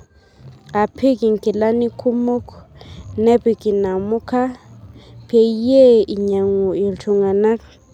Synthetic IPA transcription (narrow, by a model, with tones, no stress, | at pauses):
a˨pʰi˦ki˨ŋki˨la˦ni˦kʰu˦mo˦knɛ˦pi˨ki˨na˨mu˦kʰa˦ | pʰe˨˦je˦i˨ɲa˨ŋu˨i˨lt͡ʃʰu˨ŋa˨na˦k